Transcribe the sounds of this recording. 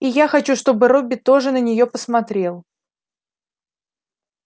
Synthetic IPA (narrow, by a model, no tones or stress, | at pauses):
ijaxɐt͡ɕuʂt̪o̞bɨɾobʲːɪt̪o̞ʐɨnənʲɪjo̞pəsmɐt̪ɾʲe̞lˠ